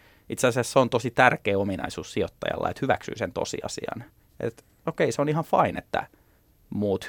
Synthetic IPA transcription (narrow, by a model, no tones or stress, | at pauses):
it̪seɑsesseont̪osit̪ærkeːominɑ̰isuːssiot̪ːɑjɑ̰lːɑ̰et̪hyʋæksy̰ːsent̪o̰sḭɑsiɑ̰n | ʔḛt̪ | okeiseonihɑnfɑinet̪ːæ̰ | muːt̪h